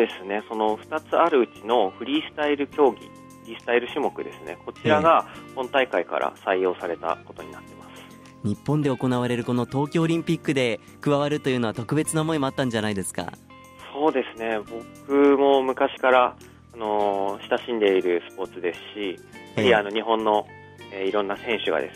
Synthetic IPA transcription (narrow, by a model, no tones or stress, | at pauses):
d̪e̞sɨne̞so̞no̞ɸɯ̟̥t̪at͡sɨaɾɯ̟ɯ̟t͡ɕino̞ɸɯ̟ɾʲiːsɨ̥t̪aiɾɯ̟kʲo̞ːɡʲḭ | ɸɾʲiːsɨ̥t̪aiɾɯ̟ɕɨmo̞kɯ̟d̪e̞sɨne̞̰ko̞t͡ɕiɾaɡahõ̞nt̪aikaika̰ɾʔa̰saijo̞ːsaɾe̞t̪a̰ko̞t̪o̞ɲ̟inat̪ːe̞masɨ̥ | ɲ̟ipːõ̞nd̪e̞oko̞naβaɾe̞ɾɯ̟ko̞no̞t̪o̞ːkʲo̞ːɾʲĩmpʲikːɯ̟d̪e̞ | kɯ̟βaβaɾɯ̟t̪o̞jɯ̟ːno̞at̪o̞kɯ̟be̞t͡sɨnamoimo̞at̪ːãɲ̟d͡ʑanaid̪e̞sɨ̥ka̰ | so̞ːd̪e̞sɨne̞bo̞kɯ̟mo̞mɯ̟kaɕi̥kaɾaː | no̞ɕi̥t̪aɕĩnd̪e̞iɾɯ̟sɨ̥po̞ːt͡sɨd̪e̞sɨ̥ɕi | iano̞ɲ̟iɦõ̞nːo̞ | eiɾõ̞nːasẽ̞ɰ̃ɕɨɡa̰d̪esɨ̥